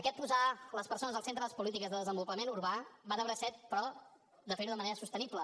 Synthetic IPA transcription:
əkɛt̪̚puzaləspəɾsonəzəsent̪ɾəðəspulit̪ikəzðəðəzəmbulˠpəmenuɾβabanəβəɾəsɛt̪̚pɾɔ | d̪əfəniɾuðəməneɾəsust̪əniplə

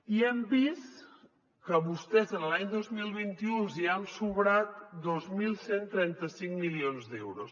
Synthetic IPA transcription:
iɛmbist̪ | kəβust̪ɛzənəlaɲd̪ozmilˠβint̪iuziansuβɾat̪d̪ozmilˠsent̪ɾɛnt̪əsiŋmilionzd̪ɛwɾos

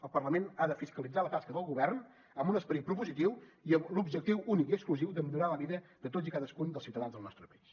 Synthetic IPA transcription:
əlˠpərləmenaðəfiskəlid͡zalət̪askəðəlˠɣuβɛrn | əmbunəspəɾit̪̚pɾupuzit̪iwiəmlubʒək̚t̪iwunikiəkskluziwd̪əmiʎuɾaləβiðəd̪ət̪ozikaðəskund̪əlˠsiuwt̪əðanzðəlˠnɔst̪ɾəpəis

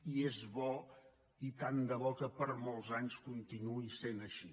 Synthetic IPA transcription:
iezβɔ | it̪and̪əβɔkəpəɾmolˠzaɲskunt̪inuisenəʃi

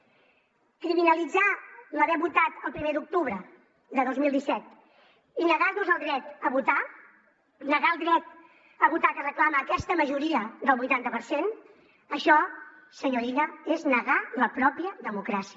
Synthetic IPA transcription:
kɾiminəlid͡zaləβɛβut̪at̪əlˠpɾimed̪uk̚t̪uβ̞ɾə | d̪əðozmilˠd̪isɛt̪ | inəɣaɾnuzəlˠd̪ɾɛt̪əβut̪a | nəɣaəlˠd̪ɾɛt̪̚ | əβut̪akərəklaməːkɛst̪əməʒuɾiəd̪əlˠβujt̪ant̪əpəɾsen | əʃɔ | səɲoɾinəeznəɣaləpɾɔpiəðəmukɾasiə

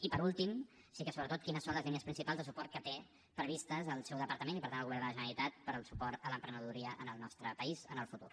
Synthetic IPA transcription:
ipəɾulˠt̪im | sikəsoβɾət̪ot̪̚kinəsːonləzlineəspɾinsipalzðəsupɔɾt̪̚kət̪e | pɾəβist̪əzəlˠsɛwðəpəɾt̪əmẽnipəɾt̪anəlɣuβɛrnd̪ələʒənəlit̪at̪̚pəɾəlˠsupɔɾt̪ələmpɾənəðuɾiəʔənəlˠnɔst̪ɾəpəizənəlˠfut̪ṵr

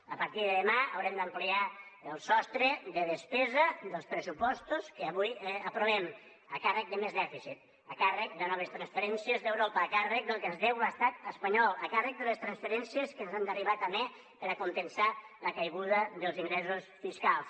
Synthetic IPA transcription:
əpəɾt̪iðəðəmaə̰wɾɛmd̪əmpliaəlˠsɔst̪ɾəðəðəspɛzəðəlˠspɾəsupɔst̪uskəːβujəpɾuβɛm | əkarək̚d̪əmezðɛfisit̪̚ | əkarək̚d̪ənɔβ̞əst̪ɾənsfəɾɛnsiəzðəwɾopəːkarək̚d̪əlˠkəzðɛwast̪at̪əspəɲɔlˠəkarək̚d̪ələst̪ɾənsfəɾɛnsiəskənzand̪əriβat̪əme | pəɾəkunt̪ənsaləkajɣuðəðəlˠziŋɡɾɛsusfiskalˠs

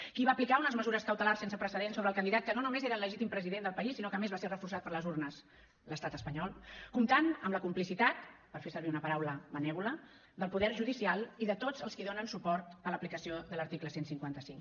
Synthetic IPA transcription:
kiβaəplikaunəzməzuɾəskəwt̪əlarsensəpɾəsəðensoβɾəːlˠkənd̪iðat̪̚kənonumezeɾələʒit̪impɾəziðend̪əlˠpəisːinokəmezβaserəfursat̪̚pəɾləzuɾnəs | ləst̪at̪əspəɲɔlˠkumt̪anəmləkumplisit̪at̪pəɾfesəɾβiunəpəɾawləβənɛβulə | d̪əlˠpuðɛɾʒuðisialˠiðət̪od͡zəlˠskiðonənsupɔɾt̪ələplikəsioðələɾt̪ikləsensiŋkwant̪əsiŋk

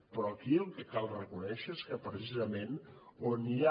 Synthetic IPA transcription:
pɾɔəkiəlˠkəkalˠrəkunɛʃəeskəpɾəsizəmenonia

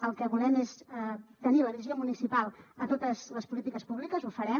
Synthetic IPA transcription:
əlˠkəβulɛmest̪əniləðiiziomunisipalˠət̪ot̪əzləspulit̪ikəspuβlikəzufəɾɛm

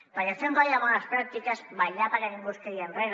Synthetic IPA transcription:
b̥aɲasembajaβanaspɾak̚t̪ikazβajʎapaɾeniŋɡust̪eɾienreɾ

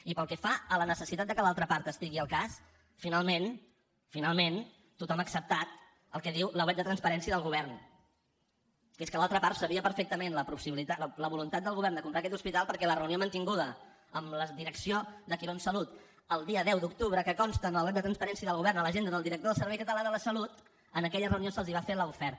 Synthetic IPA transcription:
ipəlˠkɛfaələnəsəsit̪at̪̚d̪əkəlalˠt̪ɾəpaɾt̪əst̪iɣiəlˠkas | finalˠmen | finalˠmen | t̪ut̪ɔməksəp̚t̪at̪̚ | əlˠkɛðiwləwɛt̪̚d̪ət̪ɾənspəɾɛnsiəðəlˠɣuβ̞ɛrn | keskəlalˠt̪ɾəpaɾt̪səβiəpəɾfek̚t̪əmenləpusiβlit̪aləβulunt̪at̪̚d̪əlˠɣuβɛrnd̪əkumpɾakɛt̪uspit̪alˠpəɾkɛlərəuniomənt̪iŋɡuðə | əmləðiɾəksioðəkiɾonsəlut̪ | əlˠd̪iəðɛwd̪uk̚t̪uβɾəkəkɔnst̪ənəlwɛt̪̚d̪ət̪ɾənspəɾɛnsiəðəlɣuβ̞ɛɾnələʒend̪əðəlˠd̪iɾək̚t̪oðəlˠsəɾβɛjkət̪əlaðələsəlut̪ | ənəkɛʎərəuniosəlˠziβafeləufɛɾt̪

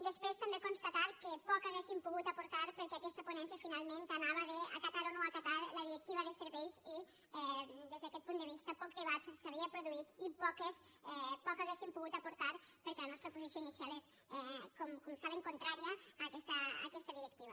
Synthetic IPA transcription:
d̪espɾest̪ambekonst̪at̪aɾkepɔkaɣesimpuɣut̪apuɾt̪aɾpəɾkɛakɛst̪aponɛnsjafinalˠment̪anaβaðea̰kat̪aɾonoakat̪aɾləðiɾek̚t̪iβɐðeseɾβɛjsi | ɛd̪ezðeakɛt̪̚pund̪əβist̪apɔk̚d̪eβat̪saβiapɾuðuit̪ipɔkesɛpɔkaɣesimpuɣut̪apuɾt̪aɾpəɾkelanɔst̪ɾapuzisjoinisjales | ɛkɔmkɔmsaβeŋkont̪ɾaɾiaːkɛst̪a̰ːkɛst̪aðiɾek̚t̪iβ̞ɐ

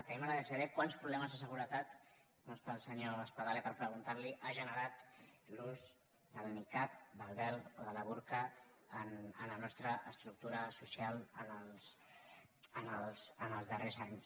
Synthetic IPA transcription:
t̪eməɾəðəsaðɛkwanspɾuβlɛməzðəs̬əɣuɾət̪at̪ | mɔst̪aːlˠsəɲoəspaðalepəɾpɾəɣ̞unt̪aɾliʔaʒənəɾat̪luz | d̪əlnikat̪̚d̪əlˠβɛloðələβuɾkəːnənlənɔst̪ɾəʔəst̪ɾuk̚t̪uɾəsusialˠənəlˠs | ənəlˠsənəlˠzðərezaɲs

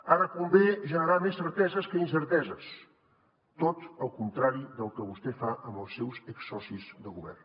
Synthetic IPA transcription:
aɾəkumbeʒənəɾamesːəɾt̪ɛzəskəinsəɾt̪ɛzəs | t̪ot̪əlˠkunt̪ɾaɾiðəlˠkəβust̪efaʔəmbəlˠsːɛwzəksɔsizðəɣuβɛ̰rn

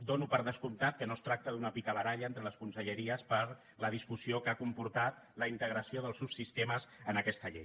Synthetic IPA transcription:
d̪onupəɾðəskumt̪at̪kənost̪ɾak̚t̪əðunəpikəβəɾaʎəɛnt̪ɾələskunsəʎəɾiəspəɾ | ləð̞iskusiokakumpuɾt̪at̪ | ləint̪əɣ̞ɾəsioðəlˠsubsist̪eməzənəkɛst̪əʎɛ̰j

